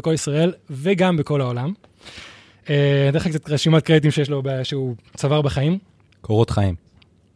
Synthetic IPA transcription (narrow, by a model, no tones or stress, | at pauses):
kolisʁae̞lveɡambeko̞laolam | et̪eχakt͡satʁeʃimat̪̚kʁd̪it̪̬imʃejeʃ̬lobeʃeut͡savaʁbeχaim | kʰoʁot̪χaim